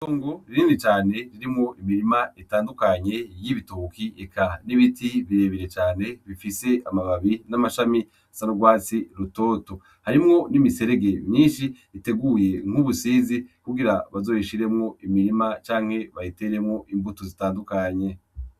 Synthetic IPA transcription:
toːŋɡoɾiɾiːndit͡ʃaːne̞ɾiɾimŋo̞ʔimiɾimaitaːndukaɲe̞jiβitukiekʰaniβitiβiɾe̞ːβiɾe̞t͡ʃaːne̞βifise̞amaβaβinamaʃami | sanoɡwaːt͡siɾuto̞ːto | haɾimŋo̞nimise̞ɾe̞ɡe̞mɲiːnʃiː | te̞ɡuje̞ŋ̥uβusiːzikuɡiɾaβazo̞ːjiʃiɾe̞mŋo̞imiɾimat͡ʃaːŋ̥he̞βajite̞ːɾe̞mŋo̞ʔimbutozitaːndukaɲe̞

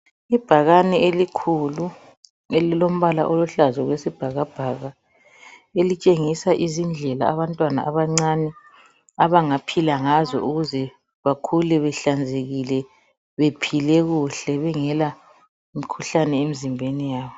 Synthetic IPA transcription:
ib̥ʱaɣanɛelikʰulu | elilom̩βala̰ʔoluɬazɔɣwesib̥ʱaɣab̥ʱaɣa | elit͡ʃʼeŋisaʔizind͡ɮʱɛla̰a̰βantʼwana̰ʔaβaŋ͡ǀanɛ | aβaŋapʰilaŋazɔ̰ʔuɣuzɛ | βakʰulɛβɛɬand͡zʱeɣilɛ | βepʰilɛɣuɬɛβɛŋɛla | imikʰuɬanɛemizimbʱenijaːβɔ

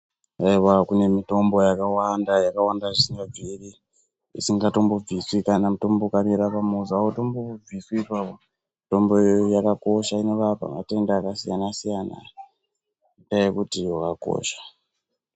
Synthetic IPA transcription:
aiwakune̞mito̞mbo̞jakawandajakawandaʐisiŋɡab͡viri | ḭsiŋɡato̞mbob͡viswikanamito̞mbokamiɾapamuzawotomboob͡viswipapo | mito̞mbojojakako̞ʃaineʋapa̰ma̰te̞ndaːkasijanasijana̰ | dajekutiokako̰ːʃḁ

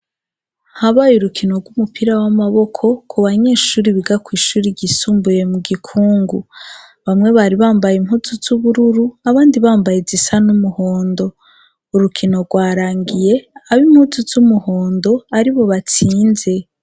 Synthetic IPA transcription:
haβajuɾukʰino̞ɾɡwumupiɾawamaβo̞kʰo̞kʰuβaɲe̞ːʃuːɾiβiɡakwiːʃuːɾiɟisuːmbuje̞muɡikʰuːŋɡu | βamŋe̞βaɾiβaːmbajim̥huzuzuβuɾuɾuaβaːndiβaːmbajezisanumuho̞ːndo̞ | uɾukʰino̞ɡwaːɾaːŋɡije̞aβimhuzuzumuhoːndo̞aɾiβo̞βat͡siːnze̞

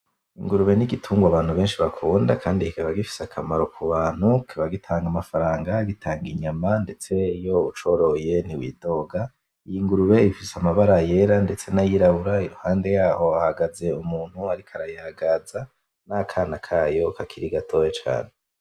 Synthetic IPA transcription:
iŋɡuɾuβe̞niɡitʰuːŋɡwaβaːn̥huβe̞ːnʃiβakʰuːndakʰaːndihikiβaɡifi̥seakʰamaɾo̞kʰuβaːn̥hukʰiβaɡitʰaːŋɡamafaɾaːŋɡaɡitʰaːŋɡiɲamande̞t͡se̞jo̞ut͡ʃo̞ːɾo̞je̞niwḭːdo̞ːɡa | ijiŋɡuɾuβe̞ifiseamaβaɾaje̞ɾande̞t͡se̞najiɾaβuɾaiɾuhaːnde̞jaːho̞ahaɡaze̞umuːn̥huaɾikʰaɾajaɡaza | nakʰaːnakʰaːjo̞kakʰiɾiɡatʰo̞jet͡ʃa̰ːne̞

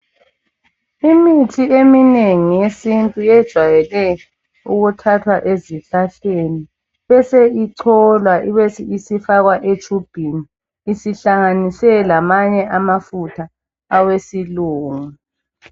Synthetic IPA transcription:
imitʰiemineŋijesintʼujɛd̥ʒ̥ʱwajɛlɛ | uɣutʰatʰwaʔeziɬaɬeni | βɛseiǀʰɔlwaʔiβɛsiisifaɣwaʔet͡ʃʰʼub̥ʱiniː | siɬaŋanisɛlamaɲɛʔamafutʰaː | wesiluːŋu

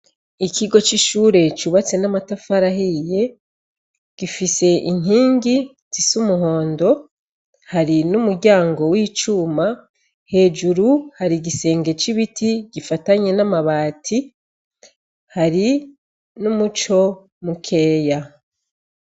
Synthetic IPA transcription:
ikiɡo̞t͡ʃiʃuːɾe̞t͡ʃuβat͡se̞namatafaɾahije̞ | ɡ̥ifise̞ʔiŋ̥iːŋɡi | zisumuɦo̞ːndo̞ | haɾinumuɾɟaːŋɡo̞wiːt͡ʃuːma | he̞ːd͡ʒuɾuhaɾiɡise̞ːŋɡe̞t͡ʃiβitʰiɟ̥ifataɲe̞namaβaːtʰi | haɾi | numut͡ʃo̞ | mukʰe̞ːja

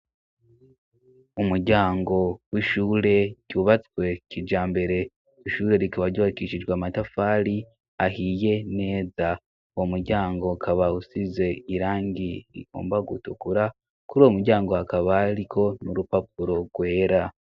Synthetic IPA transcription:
umuɾɟaːŋɡo̞wiʃuːɾe̞ɟ̥uːβat͡swe̞cid͡ʒaːmbe̞ɾe̞ | iʃuːɾe̞ɾikaβaɾɟuːβakiʃid͡ʒɡwamatafaːɾi | ahije̞ne̞ːza | uwomuɾɟaːŋɡo̞kʰaβausize̞iɾaːŋɡiɾḭko̰ːmbaɡutukuɾa | kuɾuwomuɾɟaːŋɡoakaβaɾikʰo̞nuɾupap̚uɾo̞ɡwe̞ːɾa

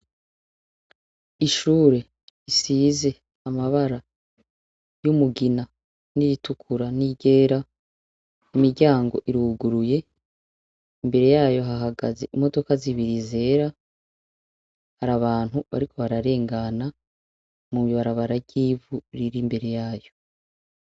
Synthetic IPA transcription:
iʃuːɾe̞ | isiːze̞ | amaβaɾa | jumuɡina | niɾitukʰuɾaniɟe̞ːɾa | imiɾɟaːŋɡo̞ʔiɾuɡuɾuje̞ | imbe̞ɾe̞jaːjo̞ɦaɦaɡaze̞̰ʔimo̞do̞kaziβiɾize̞ːɾa | haɾaβaːn̥huβa̰ɾiko̞βaɾaɾe̞ːŋɡana | mumiβaɾaβaɾavɟiːvuɾiɾimbe̞ɾe̞jaːjo̞

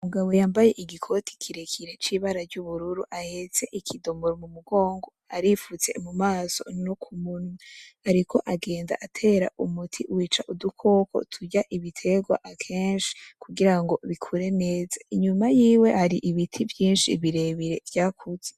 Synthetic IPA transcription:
uŋɡawo̞jaːmbaje̞ʔiɡikʰo̞tʰi̥kʰiɾekʰiɾe̞t͡ʃiːβaɾaɾɟuβuɾuɾuʔahet͡se̞ʔikʰido̞moɾomumuɡo̞ːŋɡo̞aɾifut͡se̞̰mumaːso̞̰nokʰumunuaɾikʰo̞ʔaɡe̞ːnda̰ʔatʰe̞ːɾa̰ʔumutʰiwiːt͡ʃaʔudukʰo̞ːkʰo̰tʰuɟaʔiβitʰe̞ɡwa̰ʔakʰe̞ːnʃi̥kuɡiɾaŋɡo̞βikʰuɾe̞ne̞ːzḁiɲumajiːwe̞haɾiʔiβitʰivjiːnʃḭβiɾe̞βiɾe̞vjaːkʰuz̥e

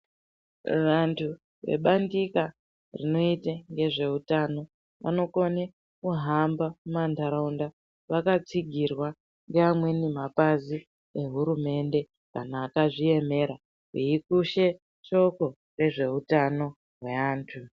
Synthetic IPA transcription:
ʋantʰu | ʋe̞̰ɓandika | rḭno̞itaŋɡe̞ʐe̞utano̞ | ʋa̰no̞ko̞ne | kuɦambamumandaɾaunda | ʋakat͡siɡʱirwa | ŋɡeamwe̞nimapazi | e̞ɦuɾume̞nde̞ | kanaːkaʐie̞me̞ɾa | ɦiikuʃe̞ | ʃo̞ko̞ | re̞ʐe̞utano̞ | ɦwe̞aːntʰu

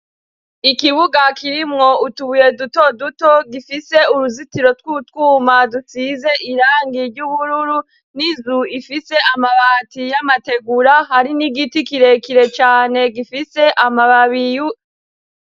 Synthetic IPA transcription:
ikiβuɡakiɾimŋo̞utuβuje̞dutodutoɡifise̞uɾuzitiɾo̞twutwuːmadut͡size̞ʔiɾaːŋɡiɾɟuβuɾuɾu | nizuifise̞amaβaːtijamate̞ɡuɾahaɾiniɡitikiɾe̞kiɾe̞t͡ʃaːne̞ɡifise̞ʔamaβaβiju

